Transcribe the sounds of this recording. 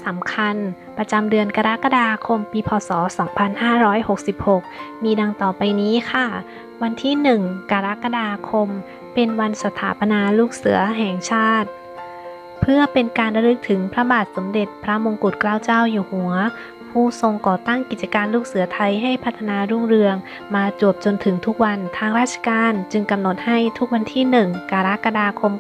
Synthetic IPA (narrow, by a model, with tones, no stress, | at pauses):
sa˩˦mkʰa˧n | pɾa˧t͡ɕa˧mdɯ˧ənka˧ɾa˦˥ka˧daː˧kʰo˧mpiː˧pʰɔː˧sɔː˩˦sɔː˩˦ŋpʰa˧nhaː˥˩ɾɔː˦˥jho˨˩k̚si˨˩p̚ho˨˩k̚miː˧da˧ŋt̪ɔː˨˩pa˧jniː˦˥kʰa˥˩ | wa˧nt̪ʰiː˥˩nɯ˨˩ŋkaː˧ɾa˦˥ka˧daː˧kʰo˧m | pe˧nwa˧nsa˧t̪ʰaː˩˦pa˧naː˧luː˥˩k̚sɯ˨˩˦ɐɦɛː˨˩ŋt͡ɕʰaː˥˩t̪̚ | pʰɯ˥˩ɐpe˧nkaː˧nɾa˧dɯ˦˥k̚t̪ʰɯ˩˦ŋpʰɾa˦˥baː˨˩t̪̚so˩˦mde˨˩t̪̚pʰɾa˦˥mo˧ŋku˨˩t̪̚klaː˥˩wt͡ɕaː˥˩wjuː˨˩hu˩˦ɐ | pʰuː˧˩so˧ŋkɔː˨˩t̪a˥˩ŋki˨˩t̪̚t͡ɕa˧kaː˧nluː˥˩k̚sɯ˩˦ɐt̪ʰa˧jɦa˥˩jpʰa˦˥t̪ʰːa˧naː˧ɾuː˥˩ŋɾɯ˧əŋ | maː˧t͡ɕu˨˩əp̚t͡ɕo˧nt̪ʰɯ˩˦ŋt̪ʰu˦˥k̚wa˧nt̪ʰaː˧ŋɾaː˥˩t̪̚t͡ɕʰḁ˧kaː˧nt͡ɕɯ˧ŋka˧mno˨˩t̪̚ha˥˩jt̪ʰu˦˥k̚wa˧nt̪ʰiː˥˩nɯ˨˩ŋkaː˧ɾa˦˥ka˧daː˧kʰo˧m